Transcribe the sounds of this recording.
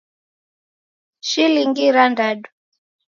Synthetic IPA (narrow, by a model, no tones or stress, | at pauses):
ʃiliŋɡiɾandaɗu